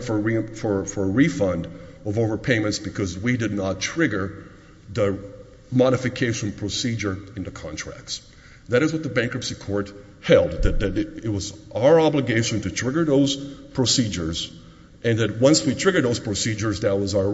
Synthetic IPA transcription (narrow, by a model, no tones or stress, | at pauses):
fə˞ɹifə˞fə˞ɹifʌ̃ndʌvoʊvə˞pʰẽɪ̃mɨ̃ntsb̥ɨkʰʌzwidɨdⁿnətʰɹ̥ɪɡə˞ | ðə | mɑɾɨfɨkʰeɪʃɨ̃n̩pʰɹ̥osid͡ʒə˞ɨ̃ntɨkʰɑ̰̃ntʰɹ̥æ̰k̚ts | ðɨɾɨzwʌt̪̚ðəbæ̃ŋkəpsikʰɔɹt̚ | hɛlˠd̪̚ðɨt̪̚ðɨɾɪt̚wʌzʔaʊə˞ɑbləɡeɪʃɨ̃ntɨtʰɹ̥ɪɡə˞ðoʊz̥pʰɹ̥osid͡ʒə˞z | ʔɨ̃nðɨt̚wʌ̃nswitʰɹ̥ɪɡə˞d̪ðoʊz̥pʰɹ̥osid͡ʒə˞zðɨt̚wʌzaʊə˞